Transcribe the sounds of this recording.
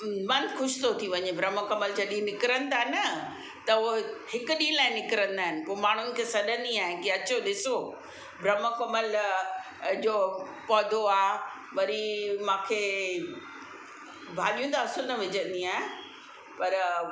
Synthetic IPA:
mɐ̃nxʊʃɪ̥t̪ʰot̪ʰiʋɐɲebʱɾɐm̤əkɐməld͡ʑɐɗĩnɪkɪɾə̃nɪ̆t̪aːɦɪnɐ | t̪ɐohɪkʊɗĩːlaːɪ̃nɪkɪɾə̃nd̪aːɦɪnɪ̆poːmaːɳ̤ʊnɪ̆kʰesɐɗə̃nd̪iaːɦɪ̃kiɐt͡ɕoɗɪso | bʱɾɐməkɐməl | d͡ʑoː | pɔːd̪ʱoaːɦ | ʋɐɾimãːkʰeː | bʱaːʄijũnt̪aɐsʊnɐʋɪd͡ʑə̃nd̪iaːɦe | pɐɾ

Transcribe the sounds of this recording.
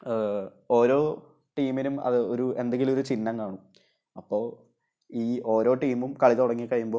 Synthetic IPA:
o̞ːɾo̞ː | ʈiːmilumɐ̰ðɨo̞ɾue̞nd̪eŋɡilumo̞ɾut͡ɕinːɐŋkaːɳu | ɐpːo̞ːɭ | iːo̞ːɾo̞ːʈiːmumkɐɭit̪uɽɐŋːikːɐɻjumboː

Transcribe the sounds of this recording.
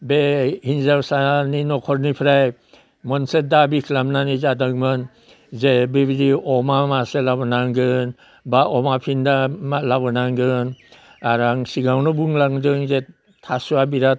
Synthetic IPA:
behinzawsaninɔkʰɔɾnipʰɾaj | mɔnset̚dabikʰlamnanizadaŋmɯn | zebibidiɔmamaselabɔnaŋɡɯn | baʔɔmapʰindamalabɔnaŋɡɯn | aɾaŋsiɡawnɔbuŋlaŋdɯŋze | tʰasuabiɾa

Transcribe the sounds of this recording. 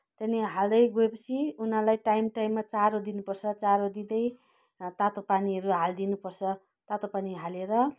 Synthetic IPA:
t̪ʌneɦald̪ʌjɡoepʌt͡sʰiunãlajʈajmʈajmːat͡saɾod̪inupʌrt͡sʰʌt͡saɾod̪id̪ʌj | t̪at̪opaniʌɾuɦald̪inupʌrt͡sʰʌ | t̪at̪opaniɦaleɾʌ

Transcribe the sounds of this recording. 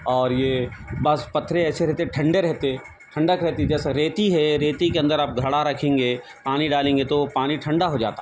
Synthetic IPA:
ɔːɾjebɐspɐt̪ʰːɾeɛːseɾɛɦt̪eʈʰɐ̃ɳɖeɾɛɦt̪e | ʈʰɐ̃ɳɖəkɾɛɦt̪id͡ʒɛːsaɾeːt̪iɦɛɾeːt̪ikeɐ̃nd̪əɾaːp̚ɡʱɐɽaɾɐkʰẽːŋɡe | paːniɖaːlẽːŋɡet̪opaːniʈʰɐ̃ɳɖaɦod͡ʒa̰ːt̪a

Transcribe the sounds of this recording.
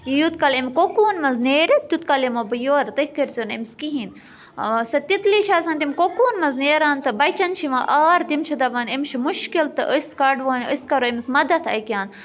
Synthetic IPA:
jijut̪kɐlemʲkokuːnmɐnzneːɾit̪̚t̪ut̪kɐlemobɨjoːɾt̪əhʲkɐɾt͡sinemskiɦin | sɐt̪it̪liʃʰaːsɐnt̪imʲkokuːnmɐzneːɾaːnt̪ɨbɐt͡ʃɐnt͡ʃʰiʋɐʔaːɾt̪imt͡ʃʰid̪ɐbɐnimʲt͡ʃʰimuʃkilt̪ɨʔəskɐɖʋaːnəskɐɾoimismɐd̪ɐt̪ʰɐ̰kʲjaːn

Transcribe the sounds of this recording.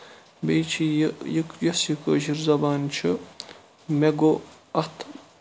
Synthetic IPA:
bejt͡ʃʰijjikjɐsjikə̰ːʃiɾzɐbaːnt͡ʃʰɨ | meɡo | ɐt̪ʰ

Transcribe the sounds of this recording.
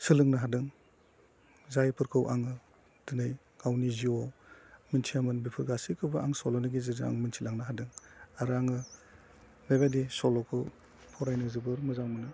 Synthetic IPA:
sɯlɯŋnɯɦadɯŋ | zajpʰɯɾkʰɯwʔaŋɯ | d̥ɯnɯj | ɡ̥awniziɔmɯntʰiamɯnbipʰɯɾɡasikʰɯbɯʔaŋsɔlɔniɡizɯzɯa̰ŋmɯntʰilaŋnɯɦadɯŋaɾɯaŋɯ | beβadisɔlɔkʰɯw | pʰɔɾajnɯzɯbɯɾmɯzawmɯnɯ

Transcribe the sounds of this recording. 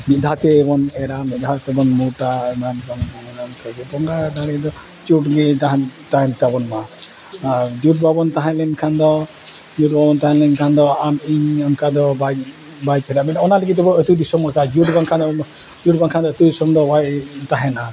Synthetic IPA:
mitd̪ʱat̪ɛːbɔnɛɾamid̪ʱat̪ɛbɔnmuʈanambɔŋaɔnnkaɡɛbɔŋɡad̪aɽɛd̪ɔ | t͡ʃuʈɡit̪aɦant̪aɦɛnt̪abɔnma | d͡ʒuʈ̚babɔnt̪aɦãlɛnkʰand̪ɔ | d͡ʒuʈ̚babɔnt̪aɦɛ̃lɛnkʰand̪ɔamiɲəmkad̪ɔba | bajd͡ʒɛɾamɛɔnaləɡit̪ɛbɔət̪ud̪isɔmakad͡ʒuʈbaŋkʰad̪ɔ | d͡ʒuʈ̚baŋkʰand̪ɔət̪ud̪isɔmd̪ɔbajt̪aɦɛna

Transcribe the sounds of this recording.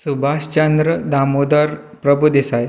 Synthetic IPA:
subʱaɕt͡ɕənd̪ɾəd̪amod̪əɾ | pɾəbʱud̪esaj

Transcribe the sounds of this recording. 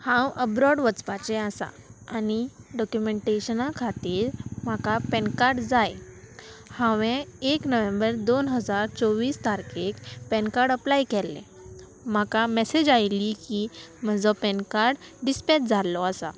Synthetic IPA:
hãwəbɾɔɖʋət͡spat͡sɛasa̰ːniɖɔkjumeɳʈeɕənakʰat̪iːɾm̤akapɛnkaɾɖd͡zaj | hãʋẽeknəʋẽmbəɾd̪onɦəd͡zaɾt͡sɔʋiːst̪aɾkekpɛnkaɾɖəplajkɛlːɛ̰̃ | m̤akamɛsed͡ʑajlːikim̤əd͡zɔpɛnkaɾɖɖispɛʈ̚d͡zʱalɔəsa̰

